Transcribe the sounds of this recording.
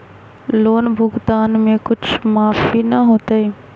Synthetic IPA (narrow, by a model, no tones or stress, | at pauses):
loːnbʱʊɡd̪aːnmẽkʊt͡ʃʰmaːfinəɦoːt̪əi